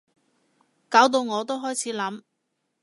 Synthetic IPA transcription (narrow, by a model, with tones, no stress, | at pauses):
kaː˨˥wt̪o˧wŋɔː˨˧t̪o˥wɦɔː˥jt͡sʰiː˨˥lɐ˨˥m